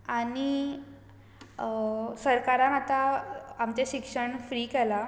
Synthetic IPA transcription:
ani | səɾkaɾãnat̪aːmt͡ɕeɕikʂəɳfɾiːkɛla

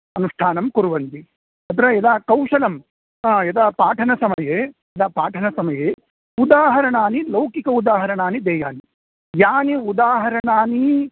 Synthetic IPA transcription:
ɐnuʂʈʰaːnɐmkuɾuʋɐnt̪i | ɐt̪ɐɾɐɛd̪aːkɐwʃɐlɐm | aːjɐd̪aːpaːʈʰɐnɐsɐmɐje | ɐd̪aːpaːʈʰɐnɐsɐmɐjeː | ud̪aːɦɐɾɐɳaːnilɐwkikɐud̪aːɦɐɾɐɳaːnid̪ɛːjaːni | jaːniud̪aːɦɐɾɐɳaːni

